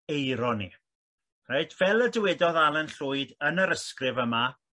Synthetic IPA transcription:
ejɾɔnḭ | raɨd̥vɛlˠədəwɛdɔðalˠənɬʊːɨdənəɾəskrɪvəma

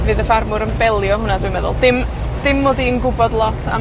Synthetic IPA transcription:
vɨːðəfarmʊɾənbɛlˠjɔɦʊnadwujmɛðʊ̰lˠdɪm | d̥ɪmːoːdiənɡʊbɔdlˠɔtʰa̰

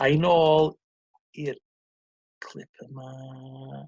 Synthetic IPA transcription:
ajnoːlˠ | ir | kʰl̥ˠɪ̰pʰəma

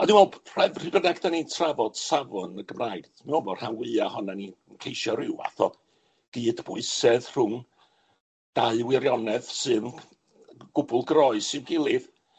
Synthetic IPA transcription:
ɔdɪ̃nwɛlˠpʰrɛvr̥ɨbənaɡdanitʰravɔd̥savɔnəɡəmraɨð̥mɛɔvɔrhawwɨahɔnani | nkʰejʃɔɾɪwa̰θɔ | ɡ̥iːdbʊɨsɛðr̥ʊŋ | d̥aɨwɪɾjɔnɛðsɨn | ɡ̥ʊbʊlˠɡrɔɨsɨnɡɪlˠɨð

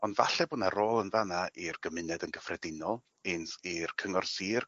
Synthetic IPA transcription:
ɔndva̰ɬɛbʊnaɾoːlˠənðanaʔirɡ̥əmɨnɛdənɡəfrɛdɪnɔlˠ | ɪnsirkʰəŋɔrsiːr

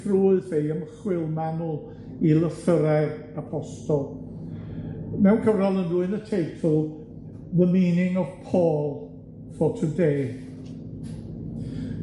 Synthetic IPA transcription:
rʊːɨðejəməχwɪlˠmanʊ | ilˠəθəɾɛ | apʰɔstɔlˠ | mɛwnkʰəvralˠənrʊːɨnətʰejtʰəlˠ | ðəmiːnɪŋɔv̥pʰoːlˠ | fɔtʰədeː

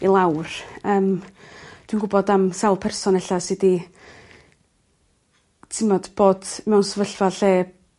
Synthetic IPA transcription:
ilˠawrəːm | d̥winɡʊbɔdamsawlˠpʰɛrsɔnɛɬasɪdi | tʰɪmɔd̥b̥oːd̥mɛwnsəvəɬvaɬeː

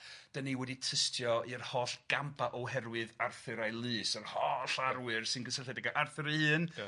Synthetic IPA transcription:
d̥əniwɛditʰəstʰjɔɨrhɔːɬɡ̥ampʰaʔɔwɦɛɾwɨðarθɨɾajlˠɨːsərhɔːɬaɾwɨrsɨnɡəsəɬɛdɛɡaʔarθɨɾəɨːn

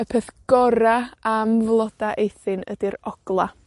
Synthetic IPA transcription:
əpʰeθɡ̥ɔɾaamvlˠɔd̥aʔejθɨnə̰diɾɔɡ̥lˠa

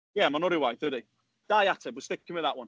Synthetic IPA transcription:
jɛmaɪnɔɾiəwaɪθəde | d̥aɪatʰəwɪstɪk̚ʰɪ̃nwɪðəʔwʌ̃n

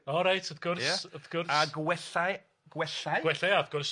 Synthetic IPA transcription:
ɔɾajtʰəθɡʊrjsaəðɡʊraɡwɛɬaj | ɡ̥wɛɬajɡwɛɬajaəθɡ̥ʊrs

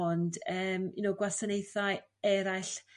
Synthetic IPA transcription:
ɔndəːminowɡwasanejθaɨɛɾajɬ

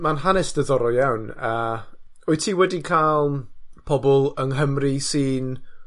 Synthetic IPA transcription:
manɦanɛsd̥əðɔɾɔjawnəː | ɔɨtʰiːwɛdikʰalˠpʰɔbɔlˠəŋɦəmrisiːn

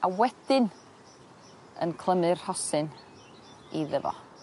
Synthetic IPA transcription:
awɛd̥ɪn | ə̰nkʰlˠəmɨrhɔsɨn | iðəvɔ̰

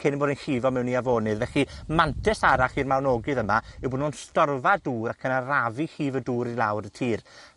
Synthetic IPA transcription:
kʰeniboːɾinχiːvɔmɛwniavoːnɨðvɛχimantʰɛsaɾaχiːrmawnoːɡɨðəmaɪwboːdnunstɔrvaduːɾakʰənaravihiːvəduːɾilˠawɾətʰiːr

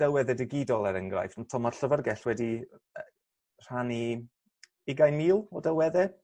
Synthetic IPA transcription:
dɛlˠwɛðɛdɪɡɪdɔlˠɛɾəŋɡra̰jfnutʰɔmɔ̥ɬəvərɡɛɬwɛdi | r̥ani | ɪɡajnmiːlˠɔdɛlˠwɛðɛ

